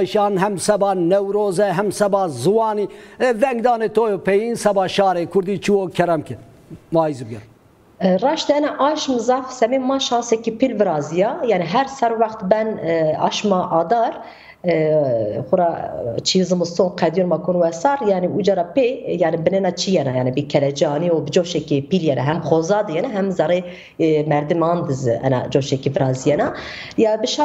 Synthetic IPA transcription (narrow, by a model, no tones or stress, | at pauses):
ʃɑːnɦɛmsɛbɑːnɛwɾoːzɛɦɛmsɛbɑːzɨwɑːniːvɛŋɡd̪ɑːnet̪ʰoːjopʰɛjinsɛbɑːʃɑːɾeːkʰʊɾd̪iːt͡ʃʰiwokʲʰɛɾɛmkɪɾ | vɑːjizbɨɡʲɛɾ | rɑːʃd̪ɛnɛʔɑʃmzɑfsɛmemɑːʃɑːnsɛkipʰilvɨɾɑːzijɑjɑːniɦɛɾsɛɾwɑxt̪bɛnɑ̰ːʃmɑʔɑːd̪ɑɾ | xʷʊɾɑt͡ʃʰizɨmɨst̪õnqʰɛd̪jonmɑkʰonwɛsɑːɾjɑːniud͡ʒɑɾɑpejaːnibɨnɛnɑt͡ʃʰijɛnajaːnibɨkʰɛlɛd͡ʒiɑːniobɨd͡ʒoʃɛkepiljɛnɛɦɛmxozɑːd̪ɨjɛnɛɦɛmzɑɾe | mɛɾd̪ɨmɑːnd̪ɨzɨ̰ɛ̰nɑ̰d͡ʒoːʃɛkivɨɾɑːzijɛnɑ | jɑbɨʃɑ